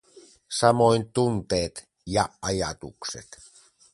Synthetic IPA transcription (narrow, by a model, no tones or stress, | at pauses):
sɑmojnt̪unt̪eːt̪ | jɑʔɑjɑt̪uksḛt̪